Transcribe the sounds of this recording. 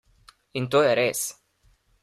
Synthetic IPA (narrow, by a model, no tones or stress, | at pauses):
int̪oeɾes